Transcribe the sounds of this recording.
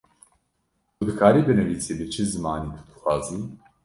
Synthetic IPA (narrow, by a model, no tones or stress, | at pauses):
kʰud̪ɨkʰaːɾiːbɨnɨviːseːbɨt͡ʃʰɨzɨmaːniːt̪ʰu̥d̪ɨxʷwʷaːziː